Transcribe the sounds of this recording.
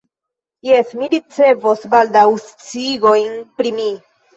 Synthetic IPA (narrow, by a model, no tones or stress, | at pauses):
jesmiɾit͡se̞vosbald̪awst͡siɡo̞jnpɾimi